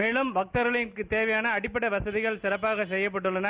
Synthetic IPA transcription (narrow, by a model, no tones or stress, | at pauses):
eːɭɯmʋɐk̚t̪ɐɾɐɭɐmkɯt̪eːʋɐjaːnɐːɽɪpːɐɽɐʋɐsɐðɪɣɐɭsɪɾɐpːaːɣɐsɛjːɐp̬ːɐʈːɯɭːɐnaː